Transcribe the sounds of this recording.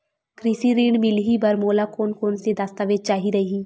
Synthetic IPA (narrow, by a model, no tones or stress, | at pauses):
kɾiːsiɾiːɳmɪlɦibɐɾmoːlakoːnkoːnsed̪aːst̪aːʋeːd͡ʒ̚t͡ʃaːɦiɾɐɦiiː